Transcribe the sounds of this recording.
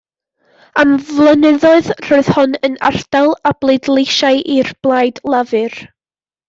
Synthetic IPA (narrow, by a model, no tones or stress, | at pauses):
amvlˠənɪðɔɨðr̥oɨð̥hʊnəna̰rd̥alˠablˠedlˠejʃaɨʔirb̥lˠaːjdlˠavɨr